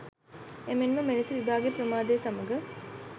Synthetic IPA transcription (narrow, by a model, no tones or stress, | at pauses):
emenməmelesiʋibʱaːɡejprəmaːd̪ejsaməɡə